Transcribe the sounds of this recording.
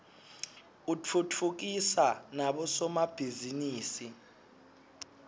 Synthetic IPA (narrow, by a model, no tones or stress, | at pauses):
ut͡fʰut͡fʰuk̬isanaɓɔsɔmab̥ʱiziniːsi